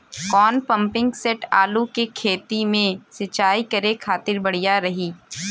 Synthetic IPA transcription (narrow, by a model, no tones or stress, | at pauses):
kɔːnpɐ̃mpɪ̃ŋɡseʈaːlukekʰeːt̪imẽsɐt͡ʃaːikɐɾekʰaːt̪ɪɾbɐɽ̤ijaɾɐɦiː